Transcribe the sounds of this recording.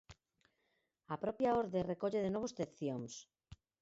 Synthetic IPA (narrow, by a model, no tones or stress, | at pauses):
apɾɔpjaoɾðerekoʎeðenɔβ̞ost̪eθjoŋs